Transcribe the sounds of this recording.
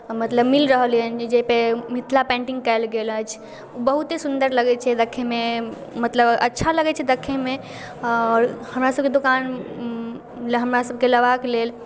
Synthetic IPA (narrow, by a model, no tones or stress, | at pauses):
mət̪ləbmilɾəɦəliənd͡ʒepemit̪ʰlapɛ̃ɳʈĩŋɡ̚kəjlɡelət͡ʃʰ | bəɦut̪esund̪əɾləɡɛt͡ʃʰɛd̪əkʰːememət̪ləbətːʃʰaləɡɛt͡ʃʰɛd̪əkʰːeme | ɔɾhəmɾasəbked̪okan | ɦəmɾasəb̚ʱkeləʋakelel